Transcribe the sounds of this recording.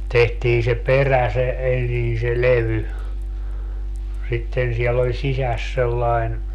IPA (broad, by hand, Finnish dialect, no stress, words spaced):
tehtiː se peræ se ensin se leʋy sitːen siɛlː olʲ sisæs selːɑen